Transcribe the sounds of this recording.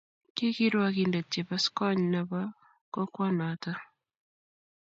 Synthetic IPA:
ki˦ki˦ɾwa˦ki˨nde˨te˨pa˦skɔ˦ɲna˨ba˦ | kɔ˦kwa˦na˨ta˦

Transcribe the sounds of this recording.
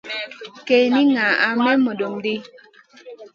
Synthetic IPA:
kɛ˨ni˦ŋa˨a˨mɛ˦mɔ˨do˨mde˦

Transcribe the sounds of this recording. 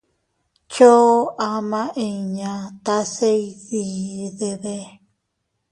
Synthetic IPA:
t͡ʃo˦a˧mã˦ʔẽ˧iɲã˨t̪a˦se˦iði˨ðe˧βe˦

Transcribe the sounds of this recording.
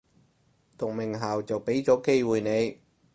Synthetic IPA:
t̪ʊ˨k̚mɪ˨˩ŋɦaː˨wt͡sɐ˨wpe˨˥jt͡sɔː˨˥ke˥jwuː˨˩jne˨˧j

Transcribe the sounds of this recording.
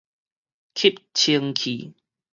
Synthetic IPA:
kʰi˦˨p̚t͡ɕʰi˧əŋkʰḭ˨˩

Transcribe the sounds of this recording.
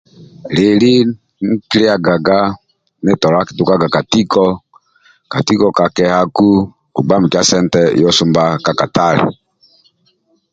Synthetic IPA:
le˨li˦ | ŋ̩˦ki˦li˦a˨ɡa˨ɡa˦ | ne˦tɔ˨la˦ki̥˨tu˨ka˦ɡa˨ka˨ti˦kɔ˦ | ka˨ti˦kɔ˨ka˨kɛ˨ha˦ku˦ | u˨ɡ͡ba˦m̩˨ka˦sɛ˦n˦tɛ˦jɔ˦su˦mba˦ka˨ka˨ta˦˨lḛ˨

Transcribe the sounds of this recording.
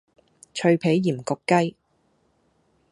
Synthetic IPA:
t͡ʃʰɵ˧ɥpʰe˨˥jːiː˨˩mkʊ˨˧kːɐ˥j

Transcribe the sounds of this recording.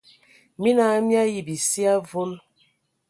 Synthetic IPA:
mi˦na˨˦mja˦ji˨bi˨si˦a˦vo˦l

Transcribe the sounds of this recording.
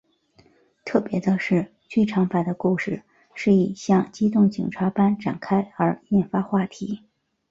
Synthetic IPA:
t̪ʰɤ˥˩pjɛ˧˥d̪ə˧ʂɻ̩˥˧ | t͡ɕy˥˩ʈ͡ʂʰɑ˧˥ŋpa˨˩ɪd̪ə˦ku˥˧ʂɻ̩˥˩ | ʂɻ̩˥˩i˨˩ɕjɑ˥˧ŋt͡ɕi˥t̪ʊ˥˩ŋt͡ɕḭ˨˩ŋʈ͡ʂʰa˧˥pa˥nʈ͡ʂa̰˨˩nkʰa˥ɪə˞˧˥jɛ˥˩nfa˥xwa˥˩t̪ʰi˧˥

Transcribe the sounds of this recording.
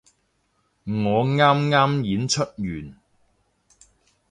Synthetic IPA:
ŋɔː˨˧ŋaː˥mŋaː˥mjiː˨˥nt͡ʃʰɵ˥t̚jyː˨˩n

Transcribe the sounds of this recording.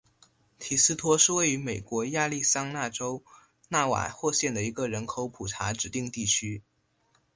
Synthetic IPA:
t̪ʰi˨˩sɹ̩˥t̪ʰwɔ˥ʂɻ̩˥˧we˥˩ɪy˧˥me˨˩ɪkwɔ˧˥ja˥˧li˥˩sɑ˥ŋna˥˩ʈ͡ʂo˥ʊ | na˥˩wa̰˨˩xwɔ˥˧ɕjɛ˥˩nd̪ə˩i˧˥ɡə˧ɻə˧˥nkʰo˧˥ʊpʰu˨˩ʈ͡ʂʰa˧˥ʈ͡ʂɻ̩˨˩t̪i˥˧ŋt̪i˥˩t͡ɕʰy˥

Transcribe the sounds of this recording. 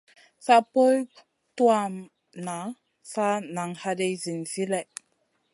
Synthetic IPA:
sa˦po˦j | twa˦m | na˨ | sa˦na˨ŋha˦de˦zi˨nzi˦lɛ˨

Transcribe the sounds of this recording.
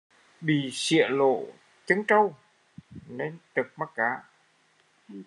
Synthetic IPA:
ɓḭ˧˨sḭ˧˨əlo̰˧˨ | t͡ɕə˨˦ŋt͡ɕə˧w | ne˧nt̪ɨ˨˩k̚ma˦˥t̚kaː˨˦

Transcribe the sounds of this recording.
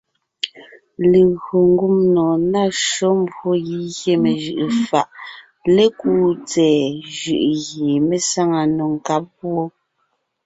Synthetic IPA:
le˨ɣo˨ŋ˦ɡu˦mnɔː˨na˦ʃo˦m˦bwo˦ɣi˦ɣje˦me˨ʒɯ˨ʔfa˨ʔ | le˦kuː˦t͡sɛː˨ʒɯ˨ʔɣe˨me˦sa˦ŋa˨no˨ŋ˨ka˦p̚pwo˦

